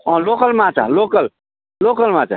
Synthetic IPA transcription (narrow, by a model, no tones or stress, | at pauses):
ɔ̃lokəlmãt͡ʃa̰lokəl | lokəlmãːt͡ʃa̰